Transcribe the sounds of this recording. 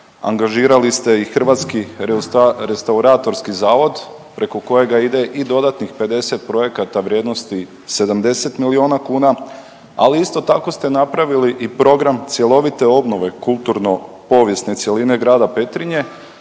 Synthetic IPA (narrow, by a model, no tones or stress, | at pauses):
a̰ŋɡaʒiːɾalist̪e̞ixr̩ʋat̪ski | ɾest̪auɾaːt̪o̞ɾskizaːʋo̞d̪pɾe̞ko̞ko̞je̞ɡaid̪e̞ʔid̪o̞d̪at̪nixpe̞d̪e̞se̞t̪̚pɾo̞je̞kat̪aʋɾʲje̞ːd̪no̞st̪i | se̞d̪amd̪e̞se̞t̪milio̞ːnakuːna | a̰liist̪o̞t̪ako̞st̪enapɾaʋiliʔipɾo̞ɡɾamt̪sje̞lo̞ʋit̪e̞o̞bno̞ʋe̞kulˠt̪uɾno̞ | po̞ːʋje̞sne̞t̪sje̞line̞ɡɾaːd̪ape̞t̪ɾiɲe̞